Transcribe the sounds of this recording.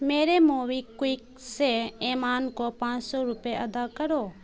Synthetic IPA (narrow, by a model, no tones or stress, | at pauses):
meːɾemoːʋikwiːk | seeːmaːnkopãːt͡ʃsɔɾʊpeʔɐd̪akəɾoː